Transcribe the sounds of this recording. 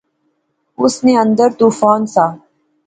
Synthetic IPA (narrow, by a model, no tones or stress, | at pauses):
ʊsneːə̃nd̪əɾt̪uːfaːnsaː